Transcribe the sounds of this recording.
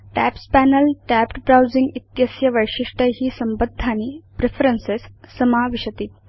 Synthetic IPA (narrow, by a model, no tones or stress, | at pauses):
ʈæpspænəlʈæpʈbɾawd͡ziŋɡit̪jəsjɐʋəjʂiʂʈəɦiːsəmbəd̪ʱːanipɾefəɾənsesːəmaʋiɕət̪iːt̪̚